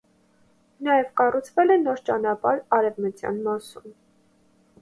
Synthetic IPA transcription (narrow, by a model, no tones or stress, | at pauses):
nɑjɛvkɑrut͡sʰvɛlɛnɔɾt͡ʃɑnɑpɑɾɑɾɛvmət͡sjɑ̰nmɑsun